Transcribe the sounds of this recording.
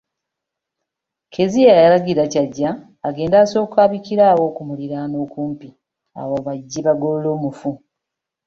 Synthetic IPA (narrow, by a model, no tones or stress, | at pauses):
kʰe̞zijajalaɡiɾacaɟːaː | ɡe̞ːndaːso̞ːkaːβikiɾaːwo̞ːkumuliɾano̞ːkuːmpi | a̰woβaɟːiβaɡolo̞ːmufu